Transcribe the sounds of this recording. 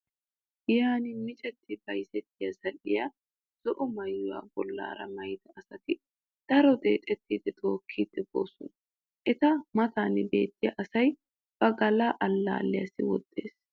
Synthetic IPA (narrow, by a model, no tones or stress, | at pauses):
jaːnɪmɪt͡ʃʼɛt̪ʰːɪb̥ɐjsɛt̪ːɪjɐsɐlɪjɐ | z̥ɔʔɔmɐjːʊwa̰ːbɔlːa̰ːɾɐ̰mɐjd̪ɐʔɐsɐt̪ɪ | d̪̥ɐɾɔd̪e̞̰ːt̪ʼɛt̪ːiːd̪ɛt̪ʰoːkʰːiːd̪ɛbo̰ːsʊn | ʔɛt̪ɐmɐt̪aːnɪbe̞̰ːt̪ːɪjɐʔɐsɐj | b̥ɐɡɐlaːʔɐlːa̰ːlːɪjɐsɪwɔd̪ːeːs